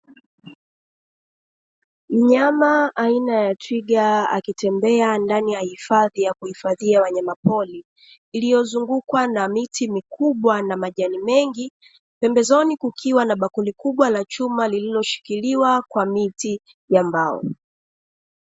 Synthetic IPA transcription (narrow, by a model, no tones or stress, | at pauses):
m̩ɲamaːinajatʰwiɡaa̰kitɛmbɛandanijahifaðijakuhifaðiawaɲamapɔliː | lijɔzuŋɡukwanamitʰimikuɓwanamaʄanimɛŋɡi | pɛmbɛzɔnikukʰiwanaɓakunlikuɓwalat͡ʃumalililɔʃi̥kiliwakwamiti | jambaɔ̰